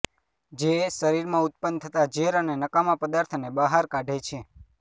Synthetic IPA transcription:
d͡ʒesəɾiɾmãʊt̪̚pənt̪ʰət̪ad͡ʒeɾənenəkamãpəd̪aɾt̪ʰnebəɦaɾkaɖʱet͡ʃʰe

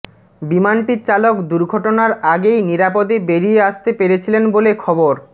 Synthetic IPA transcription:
bimanʈiɾt͡ɕalokd̪uɾɡʱɔʈonaɾaɡejniɾapod̪ebeɾieaʃt̪epeɾet͡ɕʰilenbolekʰɔboɾ

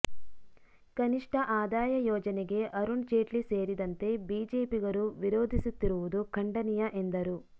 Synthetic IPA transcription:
kɐniʂʈʰɐʔaːd̪aːjɐjɔːd͡ʒɐneɡe̞ʔɐɾuɳt͡ʃeːʈlise̞ːɾid̪ɐnt̪e̞biːd͡ʒe̞ːpiɡɐɾuʋiɾoːd̪ʱisut̪ːiɾuʋud̪ukʰɐɳɖɐnijɐʔend̪ɐɾu

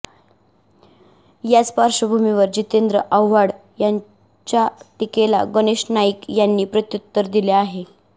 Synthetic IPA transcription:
jat͡spaɾɕəbʱumiʋəɾd͡ʑit̪end̪ɾəʔawʋaɽ | jaɲ | t͡ɕjaʈikela̰ɡəneɕnaikjanːiːpɾət̪jut̪ːəɾd̪ileaɦe

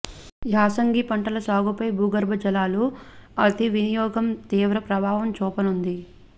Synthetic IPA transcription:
jaːsɐŋɡipɐɳʈɐlɐsaːɡupɐjbʱuːɡɐɾbʱɐd͡ʒɐlaːluɐt̪iʋinijɔːɡɐmt̪iːʋɾɐpɾɐbʱaːʋɐmt͡ʃɔːpɐnund̪i

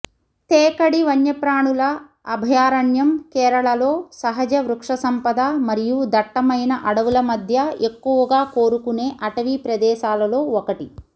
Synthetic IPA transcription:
t̪ɛːkɐɽiʋɐɲjɐpɾaːɳulɐː | bʱɐjaːɾɐɳjɐmkɛːɾɐɭɐloːsɐɦɐd͡ʒɐʋɾukʂɐsɐmpɐd̪amɐɾijud̪ɐʈːɐmɐjnɐʔɐɽɐʋulɐmɐd̪ʱjɐekːuʋɐɡaːkoːɾukune̞ːʔɐʈɐʋipɾɐd̪ɛːʃaːlɐlo̞ːɔkɐʈi

